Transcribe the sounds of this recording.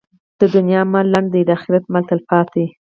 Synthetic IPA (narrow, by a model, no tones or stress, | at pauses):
d̪̥əd̪ʊnjɑmalaɳɖd̪ejd̪axɪɾat̪̚malt̪alpɑt̪ʰe